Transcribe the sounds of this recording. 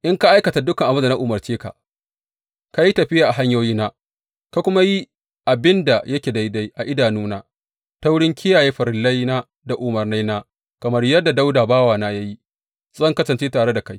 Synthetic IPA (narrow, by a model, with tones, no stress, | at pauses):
ʔɪ˦ŋka˦ʔa˦jkɐ˨ta˨dʊ˦kɐ˨ŋʔa˨bʊ˦nda˨na˦ʔʊ˨mɐ˨rt͡ʃeː˦ka̰˨ | ka˦ji˦tɐ˨ɸɪ˦jaː˨ʔa˨ɦa˦ɲjoː˦jiː˦naː˦ | ka˦kʷʊ˦ma˦ji˦ | ʔa˨bɪ˦nda˨jɐ˦kʲeː˨da˦jda˦jʔa˨ʔɪ˦daː˨nuː˦naː˦ | ta˦wʊ˦ɽɪ˦ŋkʰʲɪ˦jaː˨jeː˦ɸɐ˨ɾɪ˨lːɐ˦jnaː˦ | da˨ʔʊ˨mɐ˨rna˦jnaː˦ | kɐ˨mɐ˦rjɐ˦dːa˨da˦wdaː˨baː˦waː˨naː˦ja˦ji˦ | zɐ˦ŋkɐ˦sɐ˨nt͡ʃeː˦taː˨ɽe˦da˨ka˦j